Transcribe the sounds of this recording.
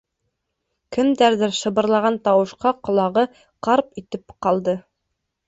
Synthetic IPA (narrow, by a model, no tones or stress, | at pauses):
kɘ̆md̪æɾðɘɾʃɤ̆βɤ̆ɾlˠɑʁɑnt̪ɑwɤ̆ʃqɑqŏlˠɑʁɤ | qɑɾpit̪ɘpqɑlˠd̪ɤ